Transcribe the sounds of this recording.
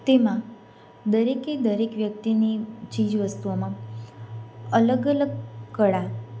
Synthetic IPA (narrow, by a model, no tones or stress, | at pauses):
t̪emã | d̪əɾeked̪əɾekʋjək̚t̪init͡ɕid͡ʑʋəst̪uʋəmã | ələɡələɡkəɭa